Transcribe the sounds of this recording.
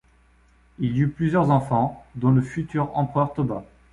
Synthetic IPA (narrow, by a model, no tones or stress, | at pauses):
ilyplyzjœʁzɑ̃fɑ̃d̪ɔ̃ləfyt̪yʁɑ̃pχœʁt̪ɔba